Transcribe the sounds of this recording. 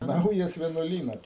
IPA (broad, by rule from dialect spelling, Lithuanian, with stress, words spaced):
ˈnɐʊjɛs ʋʲiɛnuɔˈlʲiːnɐs